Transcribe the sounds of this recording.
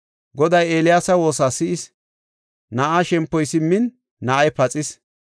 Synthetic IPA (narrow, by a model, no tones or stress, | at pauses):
ɡɔd̪ɐjeːlɪjaːsɐwo̞ːsasɪʔɪs | nɐʔaʃɛmpːɔjsɪmːɪnː | ɐʔɐjpɐt͡sʼɪs